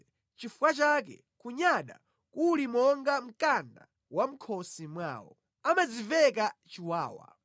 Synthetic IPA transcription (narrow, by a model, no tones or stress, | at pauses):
t͡ʃifuwat͡ʃakɛ̰ | kuɲaɗa̰ | kulimɔŋɡam̩kanda | wam̩kʰɔsimwa̰ːwɔ̰ | amad͡zivɛkat͡ʃiwaːwa̰